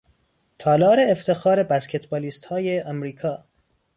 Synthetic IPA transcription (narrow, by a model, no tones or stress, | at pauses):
t̪ʰɒːlɒːɾeːft̪ʰe̞xɒːɾe̞bæscʰet̪bɒːliːst̪hɒːjeʔæmɾiːkʰɒː